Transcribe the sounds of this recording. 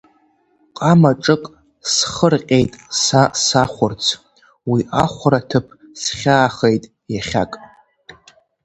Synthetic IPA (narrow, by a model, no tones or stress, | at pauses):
qʼamaʈ͡ʂʼɨkʼ | sχərqʲʼejtʼsasaχʷʊrt͡sʰ | wiʔaχʷʊɾatʰɨpʰ | sχʲaːχejtʼ | jaχʲa̰kʼ